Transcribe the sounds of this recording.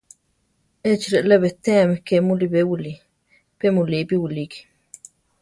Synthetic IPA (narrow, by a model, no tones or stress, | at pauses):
et͡ʃiɾeʔleβet̪eamekemulibewili | pemulipiwiliki̥